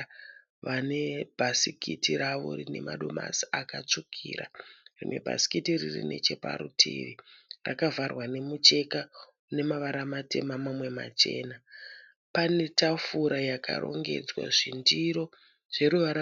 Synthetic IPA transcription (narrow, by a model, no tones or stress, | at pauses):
ʋane̞bʱasikitʰiɾaʋo̰rine̞̰maɗo̞masiakat͡ʂukʰiːɾa̰rinwe̞bʱa̰si̥kitirirḭne̞t͡ʃe̞pa̰ɾutʰḭʋirakavarwane̞mut͡ʃe̞ka | une̞maʋaɾamate̞̰mamamwe̞ma̰t͡ʃe̞ːna | pane̞tafuɾajaka̰ɾo̞̰ŋɡe̞̰d͡zwa̰ʐindiɾo̞ | ʐ̥e̞ɾuʋaɾa